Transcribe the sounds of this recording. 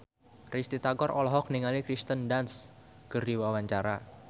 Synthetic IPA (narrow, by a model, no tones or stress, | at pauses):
rist̪it̪aɡɔrɔlɔɦɔk̚niŋalikɾist̪əndans | kərdiwawaɲt͡ʃaɾa